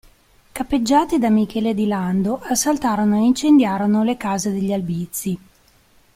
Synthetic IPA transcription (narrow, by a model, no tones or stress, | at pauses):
kapːed͡ʒːaːt̪id̪amikʰɛːled̪iland̪oʔasːalt̪aːɾonoeint͡ʃend̪jaːɾonolekaːzed̪eʎːalbit̪sːi